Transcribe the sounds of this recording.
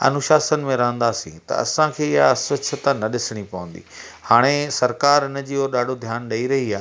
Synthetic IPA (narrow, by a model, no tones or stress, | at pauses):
ɐ̰nʊʃaːsənɪ̆mẽɾɐɦə̃nd̪aːsḭ̃ːt̪ɐ̰ɐ̰sãkʰeːɪɦjaɐsʋəʃʰət̪anɐɗɪsɪɽ̃ipɐʋə̃nd̪ḭː | haːɽ̃esɐɾkaːɾɪnə̆d͡ʑiːoːɾɗaːɖʱod̪ʱjaːnɗɐiɾɐɦiaː